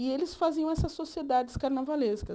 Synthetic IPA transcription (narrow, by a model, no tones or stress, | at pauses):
ɪelɪsfaziɐ̃ɛsɐsːosied̪ad͡ʒɪskaɾnavaleskɐ